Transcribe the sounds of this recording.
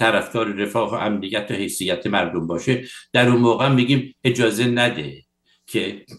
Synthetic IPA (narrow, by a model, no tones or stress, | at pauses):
t̪ʰæɾæfd̪ɒːɾeɾefɒːɦoʔæmnijːæt̪ʰːɒhe̞jsijːæt̪ʰemæɾd̪ombɒːʃed̪̥æɾunmɒːɣeæmːiːɡiːme̞d͡ʒɒːze̞næd̪ḛ | kʰe